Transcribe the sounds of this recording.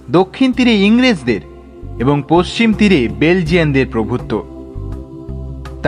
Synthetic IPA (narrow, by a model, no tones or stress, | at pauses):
d̪okʰːint̪iɾeiŋɾed͡ʑd̪eɾ | eboŋpost͡ɕimt̪iɾebeld͡ʑiand̪eɾpɾobʱut̪ːo | t̪